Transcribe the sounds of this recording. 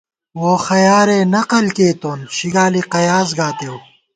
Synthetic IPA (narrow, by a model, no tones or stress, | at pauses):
woːxɐjaːɾeːnɐqɐlkeːt̪oːnɕiɡaːliqɐjaːzɡaːt̪ew